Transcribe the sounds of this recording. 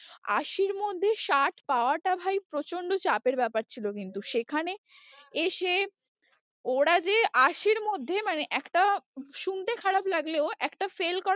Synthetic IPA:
a̰ʃiɾmod̪ʱːeʃaʈpaoaʈabʱajpɾot͡ɕoɳɖot͡ɕapeɾbɛpaɾt͡ɕʰilokint̪uʃekʰane | eʃe | oɽad͡ʑeʔaʃiɾmod̪ʱːemaneʔɛkʈaʃunt̪ekʰaɽablaɡleoʔɛkʈafelkɔ

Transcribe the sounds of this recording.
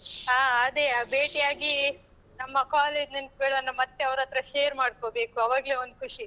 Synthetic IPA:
aːɐd̪ebeːʈijaːɡi | nɐmːɐkaːleːd͡ʒnɐnk̚beːɭɐnːumɐt̪ːeɐʋɾɐt̪ɾɐʃeːɐɾmaːɽko̞ːbe̞ːkuɐʋaːɡle̞ːond̪ukʰuʂi

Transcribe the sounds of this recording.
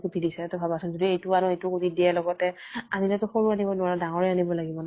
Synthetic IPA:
kutidisɛtɔbʱabasʊnzodiejtʊaɹʊejtʊkutidialɔɡɔtɛ | anilɛtʊxoɹuanibɔnʊaɹadaŋɔɹɛanibɔlaɡibɔn

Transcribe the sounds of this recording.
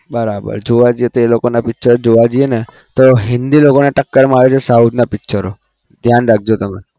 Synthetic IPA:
bəɾabə̰ɾd͡ʒoʋad͡ʒiet̪oelokonapɪtːʃʰəɾod͡ʒoʋad͡ʒiene | t̪oɦɪ̃nd̪ilokoneʈəkːəɾmaʋet͡ʃʰesaut̪napɪtːʃʰəɾo | d̪ʱjanɾak̚ʰd͡ʒot̪əme

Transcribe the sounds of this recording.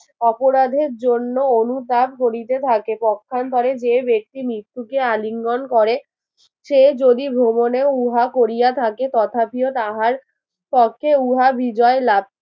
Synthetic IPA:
ɔpoɾad̪ʱeɾd͡ʑonːoonut̪ab̚koɾit̪et̪ʰakepɔkʰːant̪ʰɔɾed͡ʑebek̚t̪imɾit̪ːukealiŋɡonkɔɾe | ʃed͡ʑod̪ibʱɾomoneouɦakoɾijat̪ʰaket̪ɔt̪ʰapiot̪aɦaɾ | pɔkʰːeuɦabid͡ʑɔelab̚

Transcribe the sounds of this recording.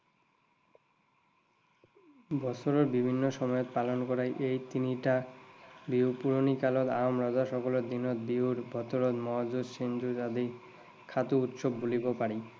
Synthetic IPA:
bʱɔsoɾoɾbibʱinːoʃɔmɔjot̪palonkɔɾajʔejt̪iniʈa | biupuɾonikalot̪aomɾɔd͡ʑaʃɔkoloɾd̪inot̪biɦuɾbʱɔt̪oɾot̪mɔad͡ʑud̪ʃend͡ʑud͡ʑad̪i | kʰat̪uut̪ʃobːulibopaɾi

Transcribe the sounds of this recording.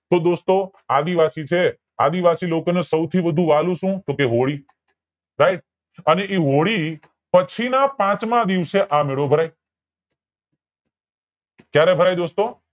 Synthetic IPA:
t̪od̪ost̪o | ad̪iʋasit͡ʃʰe | a̰d̪iʋasilokonesəwt̪ʰiʋəd̪ʱũʋalũʃũt̪okeɦoɽi | ɾaiʈ̚ | əneʔiɦoɽi | pət͡ʃʰinapãt͡ʃmãd̪iʋseʔameɭobʱəɾaj | kjaɾɛbʱəɾajd̪ost̪o

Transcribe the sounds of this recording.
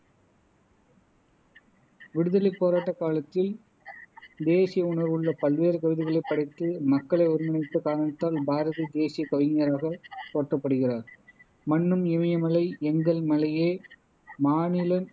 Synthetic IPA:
ʋɪɽɯðɐlɐɪpːoːɾaːʈːɐkːaːlɐt̪ːɪl | d̪eːsɪjɐʊnɐɾʋɯɭːɐpɐlʋeːɾɯkɐʋɪðɪɣɐɭɐɪpːɐɽɐɪt̪ːɯmɐkːɐɭɐɪɔɾɯmɐnɪt̪ːɯkaːɾɐɳɐt̪ːaːlbaːɾɐðid̪eːsɪjɐkɐʋɪŋjɐɾaːɣɐt̪oːʈrɐpːɐɽɯɣɪraːɾ | mɐɳːɯmɪmɐjɐmɐlɐɪɛŋɡɐɭmɐlɐjeː | maːnɪlɐn

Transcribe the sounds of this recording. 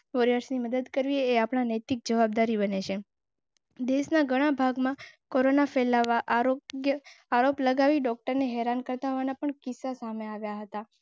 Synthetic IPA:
ʋoɾjaɾsniməd̪əd̪kəɾʋieːapɳ̃anəjt̪ik̚d͡ʒəʋab̚d̪aɾibəneʃʰe | d̪eʃnaɡʱəɽ̃abʱaɡmãkoɾonafɛlaaojəaɾopləɡaʋiɖɔk̚ʈəɾneɦɛɾankəɾt̪aɦoʋanapəɳkɪsːasameaʋjaɦət̪a

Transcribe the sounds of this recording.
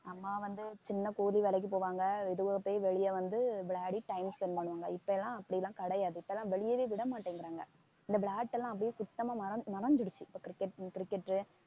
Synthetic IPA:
ɐmːaːʋɐnd̪ɯt͡ʃɪnːɐkoːliʋɛlɐk̬ːipoːʋaːŋɡɐɪðɯʋɐpːoːʋɛɭɪjɐʋɐnd̪ɯbɭaːɽiʈɐɪmspɛnpɐɳːɯʋaːŋɡɐɪpːɐɛlːãːɐpːɐɽɪjɛlːãːkɐɽɐjaːðɯɪpːɐɛlːãːʋɛɭɪjɐʋeːʋɪɽɐmaːʈːiːŋɡɪɾaːŋɡɐ | ɪnd̪ɐbɭaːʈːɛlːãːɐp̬ːɽɪjeːsʊt̪ːɐmaːɐɾɐmɐɾɐɲd͡ʒɪɽɯt͡ʃːɯɪpːoːkɾɪkːɛʈkɪɾɪkːɛʈːɾɯ

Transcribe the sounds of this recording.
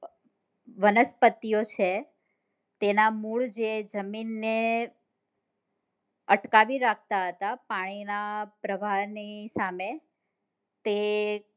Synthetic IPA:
ʋənəspət̪ːijot͡ʃʰe | t̪enamuɭd͡ʒed͡ʒəminːe | əʈkaʋiɾak̚ʰt̪aɦət̪apaɽ̃inapɾəʋʱaɾnisame | t̪e

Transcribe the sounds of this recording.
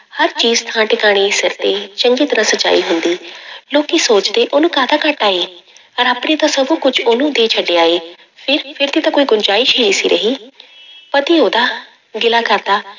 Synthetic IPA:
həɾt͡ʃiːzt̪ʰãːʈɪkaːɽ̃iːsɪɾt̪eːt͡ʃə̃ŋɡiːt̪əɾãsəd͡ʒa̰ːiːɦʊ̃nd̪iːloːkisoːt͡ʃd̪eːʔoːnũːkaːd̪aːkəʈaːiː | əɾaːpɽ̃eːt̪ãsəbũkʊt͡ʃoːnũːd̪eːt͡ʃʰəɖːeːaːeː | pʰɪɾpʰɪɾt̪iːt̪ãːkoːiːɡʊnd͡ʒaːiːʃʰeːiːsḭːɾʔəɦiː | pət̪ioːd̪aː | ɡɪlaːkəɾd̪aː

